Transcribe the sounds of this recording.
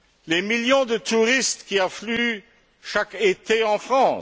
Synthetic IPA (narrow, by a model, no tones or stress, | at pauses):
lemiljɔ̃d̪ət̪uʁist̪kʲiãfly | ʃaket̪eɑ̃fχɑ̃ː